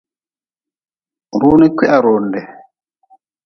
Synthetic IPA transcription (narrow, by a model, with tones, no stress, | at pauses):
ɾu˦ni˦kɛ˦ʔa˦˨ɾɔ˨ndɛ˨